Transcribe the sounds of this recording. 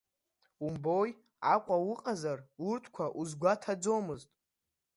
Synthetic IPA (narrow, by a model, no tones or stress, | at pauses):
umboj | akʷʼawɨqʼazarurtʰkʷʰaʔuzɡʷatʰad͡zomɨztʼ